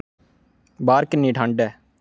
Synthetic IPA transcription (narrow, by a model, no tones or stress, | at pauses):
baːɾkɪnːiːʈʰaɳɖɛː